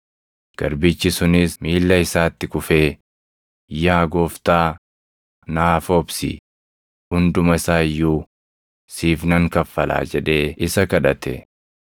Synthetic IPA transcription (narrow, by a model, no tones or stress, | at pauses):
ɡ̥ɐɾbɪt͡ʃːɪsʊnɪsmiːlːɐɪsaːt̪ːɪkʊfe̞ː | jaːɡoːft̪aː | naːfoːbsḭː | hʊnd̪ʊmɐsaːjːuː | siːfnɐŋkɐfːɐla̰ːd͡ʒɛᶑe̞ːɪsɐkɐᶑɐt̪ɛ̰